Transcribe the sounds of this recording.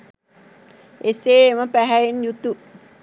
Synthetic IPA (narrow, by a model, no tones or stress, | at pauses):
eseːməpæɦæenjut̪u